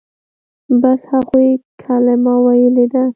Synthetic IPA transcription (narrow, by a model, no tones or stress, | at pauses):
bashaɣujkʰalɪmɑwajəled̪a